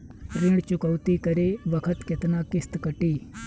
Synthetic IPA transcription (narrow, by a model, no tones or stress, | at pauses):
ɾiɽt͡ʃʊkəʋt̪ikəɾeːʋəkʰət̪ket̪naːkɪst̪kəʈiː